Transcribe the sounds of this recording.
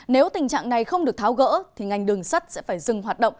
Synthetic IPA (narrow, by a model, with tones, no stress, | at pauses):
ne˨˦wt̪ï˨˩ŋ̟t͡ɕa̰ː˧˨ŋna˨˩jxə˧wŋ͡mɗɨ˨˩ək̚t̪ʰaː˨˦wɣə̰ː˧˥t̪ʰi˨˩ŋa˨˩jŋ̟ɗɨ˨˩əŋsə˦˥t̚sɛ̰˧˥faː˧˩jzɨ˨˩ŋɦwaː˨˩t̚ɗə̰˧˨wŋ͡m